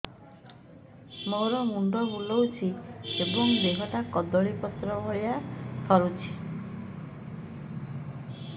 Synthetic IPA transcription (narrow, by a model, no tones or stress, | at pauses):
moɾɔmund̪ɔbulɔwt͡ʃʰiebɔŋd̪eɦɔʈakɔd̪ɔɭipɔt̪ɾɔbʱɔjat̪ʰɔɾut͡ʃʰi̥